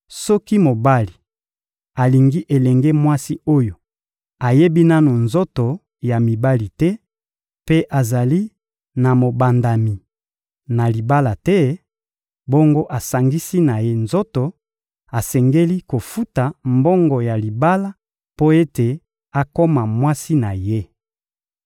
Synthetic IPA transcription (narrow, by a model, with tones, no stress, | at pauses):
sɔ˦ki˦mo˨ba˦li˨ | a˨li˨ŋɡi˦ʔe˨lɛ˨ŋɡe˦mwa˦si˦o˦jo˨ | a˨je˦bi˦na˦no˨nzo˦to˨ | ja˨mi˨ba˦li˨tɛ˦ | pe˦ʔa˨za˨li˦ | na˨mo˨ba˨nda˨mi˨ | na˨li˨ba˦la˨tɛ˦ | bo˦ŋɡo˦ʔa˨sa˨ŋɡi˦si˦na˨je˦nzo˦to˨ | a˨sɛ˨ŋɡe˦li˦ko˨fu˦ta˨mbo˦ŋɡo˨ja˨li˨ba˦la˦ | po˦e˦te˨ | a˨ko˦ma˨mwa˦si˦na˨je˦